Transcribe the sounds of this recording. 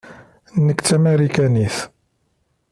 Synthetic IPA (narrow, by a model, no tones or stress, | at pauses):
nːəkt͡sːæmeɾikæniθ